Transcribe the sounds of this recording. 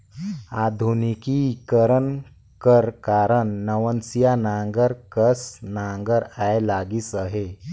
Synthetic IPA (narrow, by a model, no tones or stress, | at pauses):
ad̪ʱunikikəɾən | kəɾkaɾəɳːəʋənsijanaŋɡəɾkəsnaŋɡəɾajlaɡiːsaɦe